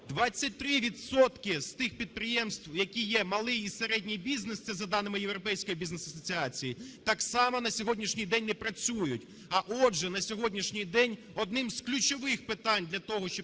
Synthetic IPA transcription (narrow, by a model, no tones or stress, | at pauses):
d̪ʋɑt͡sʲːɐt̚ʲt̪ɾɪʋʲit̪sɔt̪kɪst̪ɪxpʲid̪̚pɾɪjɛmst̪wjɐkʲijɛmɐlˠɪjiseɾɛdʲnʲijbʲiznesɛzɐd̪ɑnɪmɪjewɾɔpɛjsʲkɔjibʲiznesɐsɔt͡sʲiɑt͡sʲijit̪ɑksɑmɐnɐsʲɔɦɔdʲnʲiʃnʲijd̪ɛnʲnɛpɾɐt͡sʲujʊtʲ | ɐʔɔʒɛnɐsʲɔɦɔdʲnʲiʃnʲijd̪ɛnʲ | ɔd̪nɪmzklʲʊt͡ʃɔʋɪxpɪt̪ɑnʲd̪ʲlʲɐt̪ɔɦɔʃt͡ʃɔ